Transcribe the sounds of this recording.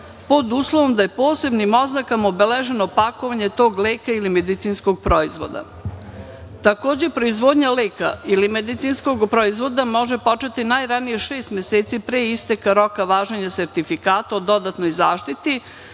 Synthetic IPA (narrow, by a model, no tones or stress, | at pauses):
po̞d̪uːslˠoʋo̞md̪aje̞po̞ːse̞bnimo̞znakamobeleʒe̞nopako̞ʋaɲe̞t̪o̞ːɡleːkailime̞d̪it̪siːnsko̞ɡ̚pɾoizʋo̰d̪a̰ | t̪ako̞ːd͡ʑe̞pɾo̞izʋo̞ːd̪ɲaleːka̰ilimed̪it̪sinsko̞ɡpɾoizʋo̞d̪amo̞ʒepo̞t͡ʃet̪inajɾanije̞ʃeːst̪mjeset̪sipɾeːist̪ekaɾo̞kaʋaːʒeɲase̞ɾt̪ifikaːt̪aod̪o̞d̪at̪no̞jzaːʃt̪it̪i